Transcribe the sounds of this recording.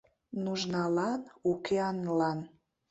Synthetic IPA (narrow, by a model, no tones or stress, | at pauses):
nuʒnɑlɑnukʰeɑnlɑn